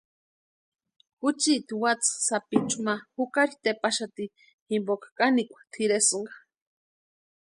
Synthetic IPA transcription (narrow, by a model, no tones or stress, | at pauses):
kut͡ʃit̪iwat͡ssapit͡ʃʼumahukaɾit̪epaʃat̪i | himbokḁkʼanikʷḁt̪ʰiɾesɨŋɡḁ